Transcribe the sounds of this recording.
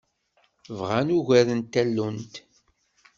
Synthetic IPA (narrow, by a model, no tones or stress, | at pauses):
vʁænuʝæɾənt̪ːælːunt̪